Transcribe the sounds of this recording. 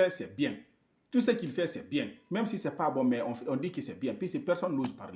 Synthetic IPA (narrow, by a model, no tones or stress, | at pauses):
ɛsɛbiɛ̃ŋ | tus̬ɛkilfɛsɛbiɛ̃ŋmɛmsisɛpabɔmɛɔfɔndikisɛbiɛ̃ŋpisɛpɛɾsɔ̃nluzpa̰ɾli